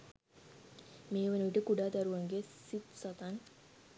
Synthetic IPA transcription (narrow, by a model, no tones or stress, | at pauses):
meːʋanuʋiʈəkuɖaːt̪aɾuʋaŋɡesit̪sat̪an